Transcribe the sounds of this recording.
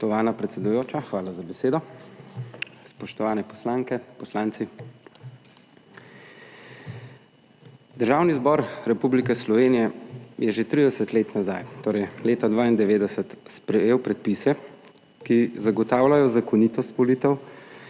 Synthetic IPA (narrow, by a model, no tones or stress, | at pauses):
t̪ɔʋaːnapɾɛt̪sɛd̪ujoːt͡ʃaxʋaːlazabɛseːd̪ɔ | spɔʃt̪ɔʋaːnɛpɔslaːŋkɛpɔslaːnt̪si | d̪əɾʒaːwnizbɔɾɾɛpublikɛslɔʋeːnijɛjɛʒet̪ɾid̪ɛsət̪leːt̪naza̰jt̪oːɾɛjleːt̪ad̪ʋaːind̪ɛʋeːd̪ɛsət̪spɾɛjeːwpɾɛt̪̚pisɛ | kizaɡɔt̪aːwlajɔzakɔnit̪ɔst̪ʋɔliːt̪ɛw